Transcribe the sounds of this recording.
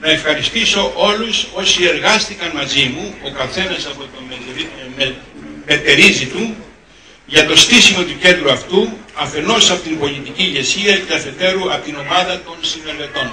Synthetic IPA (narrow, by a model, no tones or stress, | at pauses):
nɐe̞fxɐɾist̪iso̞ʔo̞luso̞sie̞ɾɣɐst̪ikɐnmɐzimuo̞kɐθe̞nɐsɐpo̞t̪o | me̞t̪e̞ɾizit̪u | ʝɐt̪o̞st̪isimo̞t̪uce̞nd̪ɾuɐft̪uɐfe̞no̞sɐpot̪imbo̞lit̪iciːʝe̞siɐceɐθet̪e̞ɾuɐpot̪ino̞mɐðɐt̪o̞nsime̞ɾðet̪o̞n